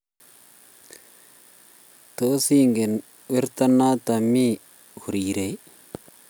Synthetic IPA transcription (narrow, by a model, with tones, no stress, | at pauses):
t̪o˦si˦ŋɡe˨n | we˦ɾt̪a˦nːa˦t̪a˨mi˦ | hu˨ɾiː˨ɾe˨˦